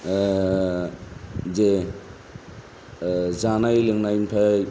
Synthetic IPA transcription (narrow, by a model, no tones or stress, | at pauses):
ze | zanajlɯŋnajinpʰa